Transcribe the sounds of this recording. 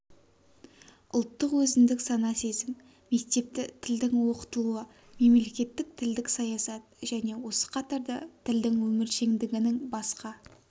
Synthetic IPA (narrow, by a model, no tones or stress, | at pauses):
ʔʊlˠt̪ːəqwɵzɪnd̪ɪksɑnɑse̞zɪŋ | me̞k̚t̪e̞p̚t̪ɪt̪ʰɪld̪ɪŋwo̞qə̥t̪əlˠuə | me̞mle̞kʲe̞t̪ːɪk̚t̪ʰɪld̪ɪksɑjɑsɑt̪̚ʒ̥æne̞wo̞sə̥qʰɑt̪ɑɾd̪ɑ̰t̪ʰɪld̪ɪŋwɵmɪɾʃe̞ŋd̪ɪɡʲɪnɪŋbɑsqɑ